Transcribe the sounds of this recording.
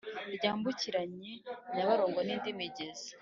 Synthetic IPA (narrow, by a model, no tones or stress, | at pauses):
ɾɟaːmbuciɾaɲenaβaɾoːŋɡoniːndimiɟezḁ